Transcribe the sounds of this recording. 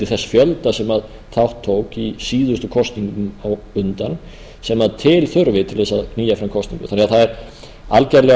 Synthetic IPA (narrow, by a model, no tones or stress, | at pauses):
ɪθɛsːḁfjœlt̪asɛmað | θʰawht̪ʰːoːwkisiːðʏst̪ʏkʰɔst̪niŋkʏmaw | ʏnt̪an | sɛmaðt̪ʰɪlθʏɾvɪt̪ʰɪlθɛsːaðkʰniːjafɾamkʰɔst̪niŋkʏ̥θanɛɣaθaðɛɾ | alcɛɾlɛ